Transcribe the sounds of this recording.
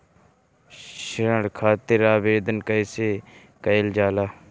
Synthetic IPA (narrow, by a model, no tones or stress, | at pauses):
ʃɪɾəɽkʰaːt̪ɪɾaːbeːd̪ənkəjseː | kəɪld͡ʒaːlaː